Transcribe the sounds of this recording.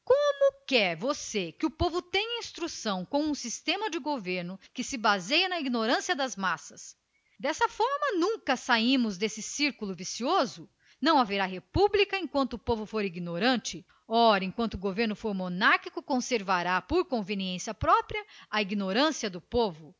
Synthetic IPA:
kõmʊkɛɾvosekɪʊpovʊt̪ẽɲɐĩst̪ɾusɐ̃w̃kõw̃ũsist̪ẽmɐd͡ʒɪɡoveɾnʊkɪsɪbazejɐnɐiɡinoɾɐ̃siɐd̪ɐzmasɐs | d̪ɛsɐfɔɾmɐnũŋkɐsaĩmʊzd̪esɪsiɾkulʊvisiozʊ | nɐ̃w̃aveɾaɦepublikɐẽkwɐ̃nt̪ʊːpovʊfoɾiɡinoɾɐ̃nt͡ʃɪ | ɔɾɐẽkwɐ̃nt̪ʊːɡoveɾnʊfoɾmonaɾkikʊkõseɾvaɾapoɾkõveniẽsiɐpɾɔpɾjɐɐiɡinoɾɐ̃siɐd̪ʊpovʊ

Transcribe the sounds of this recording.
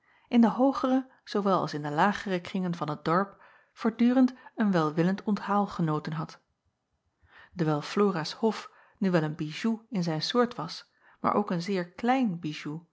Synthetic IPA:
ʔɪndəɦowχərə | z̥owʋɛlˠɑ̰lˠsɪndəlaːχərəkrɪŋənvɑnɦət̚dɔɹp | fʊːɹdyːrəntənʋɛlˠʋɪləntɔnthaːlˠχənowtənɦɑt | d̥əɹʋɛlˠfloːrashɔf | nyʋɛlənbiʒuɪnzɛjnsʊːɹtʋɑs | ma̰ːɹʔo̰wkənzɪːɹklɛjnbiʒu

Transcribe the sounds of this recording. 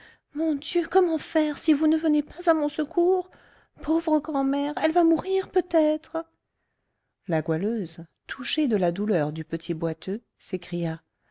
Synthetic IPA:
mɔ̃d̪jøkɔmɑ̃fɛʁsivunəvənepazamɔ̃səkʰuːʁ | pʰovʁəɡʁɑ̃mɛʁɛlvamuʁiʁpøt̪ɛt̪χ | laɡwaløzt̪ʰuʃed̪əlad̪ulœʁd̪ypət̪ʰibwat̪ø | sekχija

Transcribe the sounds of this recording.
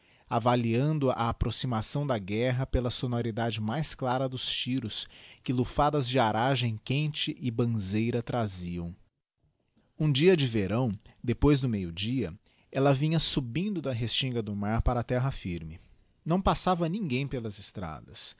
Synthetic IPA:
avaliɐ̃nd̪ʊa̰ːpɾosimasɐ̃w̃d̪ɐɡɛɦɐpelɐsonoɾid̪ad͡ʒɪmajsklaɾɐd̪ʊst͡ʃiɾʊskɪlufad̪ɐzd͡ʒɪaɾaʒẽj̃kẽnt͡ʃɪʔɪbɐ̃zejɾɐt̪ɾaziɐ̃w̃ | ũd͡ʒiɐd͡ʒɪveɾɐ̃w̃d̪epojzd̪ʊmejʊd͡ʒiɐ | ɛlɐvĩɲɐsubĩnd̪ʊd̪ɐɦest͡ʃĩŋɡɐd̪ʊmaɾpaɾɐt̪ɛɦɐfiɾmɪ | nɐ̃w̃pasavɐnĩŋɡẽj̃pelɐzɪst̪ɾa̰d̪ɐs

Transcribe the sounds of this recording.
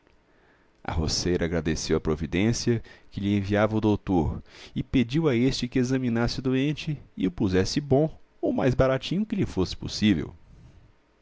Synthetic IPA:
ɐ̰ɦo̰sejɾɐaɡɾad̪esewɐpɾovid̪ẽsiɐkɪʎɪẽviavɐʊd̪owt̪oɾɪped͡ʒiwaest͡ʃɪkɪezɐmĩnasɪʊd̪uẽnt͡ʃɪɪʊpuzɛsɪbõʊmajzbaɾat͡ʃĩɲʊkɪʎɪfosɪ̥po̰sivḛw

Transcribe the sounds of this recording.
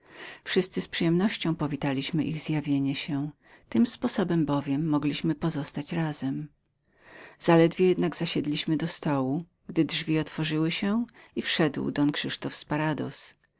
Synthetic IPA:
fʂɘst̪sɘspʂɨjɛmnɔɕt͡ɕɔ̃w̃pɔvʲit̪alʲiɕmɘʔiɣzjavʲjeɲɛɕɛ | t̪ɘmspɔsɔbɛmbɔvʲjɛmːɔɡlʲiɕmɘpɔzɔst̪at͡ɕɾazɛm | z̥alɛd̪vʲjejɛd̪naɡzaɕɛd̪lʲiɕmɘd̪ɔst̪ɔwu | ɡd̪ɘdʐvʲiɔt̪fɔʐɘwɘɕɛifʂɛd̪wd̪ɔnkʂɘʂt̪ɔfspaɾad̪ɔ̰s

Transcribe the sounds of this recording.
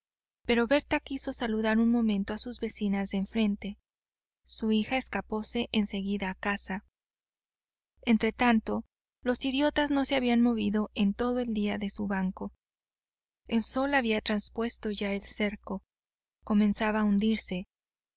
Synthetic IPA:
pe̞ɾo̞βe̞ɾt̪akiso̞saluðaɾunmõ̞mẽ̞nt̪o̞asuzβe̞sinazðeɱfɾe̞nt̪e̞ | suixae̞skapo̞se̞ʔense̞ɣiðaːkasa | ent̪ɾe̞t̪ant̪o̞ | lo̞siðjo̞t̪azno̞se̞aβianmo̞βiðo̞ʔe̞nt̪o̞ðo̞e̞ld̪iaðe̞suβaŋko̞ | elso̞laβiat̪ɾanspwe̞st̪o̞ʝae̞lse̞ɾko̞ | ko̞mẽ̞nsaβaːund̪iɾse̞

